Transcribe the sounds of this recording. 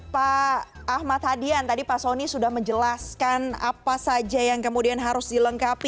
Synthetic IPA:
paː | hmat̪̚hadiant̪adipasonisudahməɲd͡ʒəlaskana̰pasad͡ʒajaŋkəmudianɦaɾʊsdiləŋkapi

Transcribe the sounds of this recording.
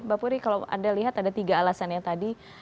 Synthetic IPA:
bapuɾikalawa̰daliɦat̪adat̪iɡaːlasanjat̪adi

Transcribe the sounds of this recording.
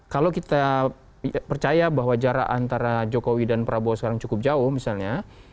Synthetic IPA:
kalawkit̪a | pərt͡ʃajabaɦwad͡ʒaɾa̰a̰nt̪aɾad͡ʒokowidanpɾabosə̥kaɾaŋt͡ʃukʊp̚d͡ʒaʊhmisalɲa

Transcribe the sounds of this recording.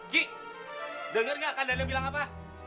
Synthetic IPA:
ɡiʔ | dəŋərŋɡakandanəmbilaŋapa

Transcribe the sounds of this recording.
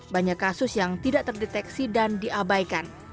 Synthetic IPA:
baɲakːasʊsjaŋt̪idaʔt̪ərdet̪ɛksidandiʔabajkan

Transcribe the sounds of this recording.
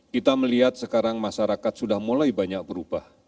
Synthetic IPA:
kit̪aməliɦat̪̚səkaɾaŋmaʃaɾakat̪̚sudahmulajbaɲak̚bəɾub̥ah

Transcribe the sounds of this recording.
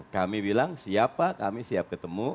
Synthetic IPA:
kamibilaŋsiapaka̰misiap̚kət̪əmu

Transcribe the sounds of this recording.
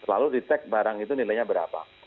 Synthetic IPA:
la̰ludit̪ɛk̚baɾaŋit̪unilajɲabəɾa̰pa̰

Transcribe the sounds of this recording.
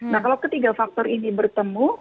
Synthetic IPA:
nahkalawkət̪iɡafak̚t̪ɔɾinibərt̪əmu

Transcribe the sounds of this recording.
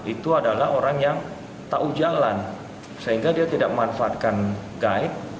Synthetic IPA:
it̪uadalaɦoɾaŋjaŋ | t̪aʔud͡ʒalan | səɦiŋɡadiat̪idaʔ̚məanfaat̪̚kanɡaɪt̪̚

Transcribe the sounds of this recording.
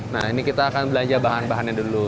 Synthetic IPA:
nahinikit̪aːkanbəlaɲd͡ʒabaɦanbaɦanɲadulu

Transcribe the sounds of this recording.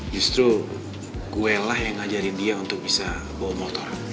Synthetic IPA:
d͡ʒust̪ɾu | ɡuɛlahjaŋːad͡ʒaɾindiaunt̪ʊk̚bisa | bɔmɔt̪ɔr

